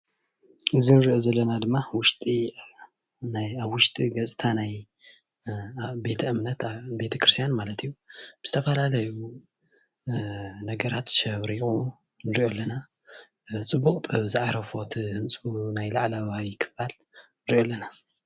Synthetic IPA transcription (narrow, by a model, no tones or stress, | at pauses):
ʔɨzinɨɾiʔozɐlːɐnad̪ɨmːawʊʃt̪ʼi | najaβwʊʃt̪ʼiɡɐt͡sʼt̪ʰanaj | be̞t̪ʰɐʔɨmnɐt̪be̞t̪ʰɐkɾɨst̪ijanmalɐt̪ʰijːubɨzɨt̪ʰɐfɐlalɐju | nɐɡɐɾat̪ʃɐβɾionu | nɨɾiʔolːɐna | t͡sʼɨbːukʼt̪ʼɐβzɨʕaɾɐfot̪ʰihɨnt͡sʼunajlaʕlawajkʰɨ̥bal | nɨɾiʔolːɐna